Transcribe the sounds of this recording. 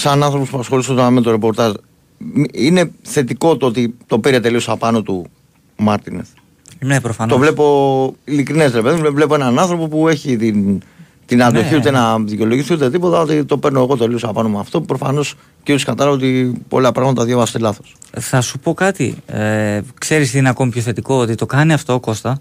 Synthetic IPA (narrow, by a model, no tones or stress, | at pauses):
sɐnɐnθɾo̞popuɐsxo̞lisot̪onaime̞t̪oɾe̞po̞ɾt̪ɐz | mine̞θe̞t̪iko̞t̪oot̪it̪o̞piɾe̞t̪e̞liosɐpɐno̞t̪u | mɐɾt̪ines | ɾt̪o̞vle̞po̞ilikɾinesɾepe̞ðimvle̞poe̞nɐnɐnθɾo̞po̞pue̞çit̪in | t̪inɐnd̪o̞çiut̪enɐðico̞loʝiθiut̪e̞t̪ipo̞t̪ɐot̪it̪o̞peɾno̞eɣo̞t̪e̞lio̞sɐpɐno̞mɐft̪o̞pɾo̞fɐ̰no̞s | ceskɐt̪ɐlɐvo̞t̪ipo̞̰lɐpɾɐɣmɐt̪ɐðʝovɐst̪elɐθo̞̥sθɐsupo̞kɐt̪ḭ | kse̞ɾist̪iineɐko̞mipçoθe̞t̪iko̞ot̪it̪o̞kɐniɐft̪o̞ːko̞st̪ɐ